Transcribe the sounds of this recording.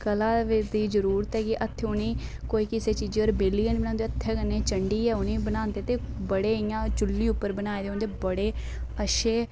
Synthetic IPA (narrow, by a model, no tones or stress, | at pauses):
kəlãːʋd̪iːd͡ʒəɾuːɾət̪ɛːkiʔət̪ʰːeʊniːkoːiːkɪseːt͡ʃiːd͡ʒiːɔɾbeliːənbnãːnd̪eːət̪ʰːɛːkənːeːt͡ʃəɳɖiːɛːʊniːbənaːnt̪eːt̪eː | bəɽeːɪjãːt͡ʃʊlːiːʊpːəɾbənaːeːd̪eʊnd̪eːbəɽeː | əʃeː